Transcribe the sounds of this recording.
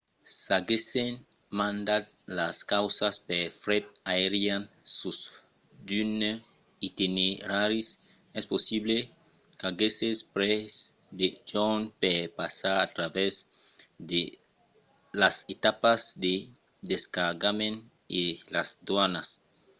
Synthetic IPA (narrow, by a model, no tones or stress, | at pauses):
saɡesen | mãnd̪a | laskawsaspefɾɛt̪̚aeɾjansus | dyn | it̪ineɾaɾis | ɛsposiβle | kaɡesespɾɛs | d̪ed͡ʒɔnpepasaɾat̪ɾavɛsz | de | laset̪apasd̪e | d̪eskaɾɡamẽn | elasd̪wanas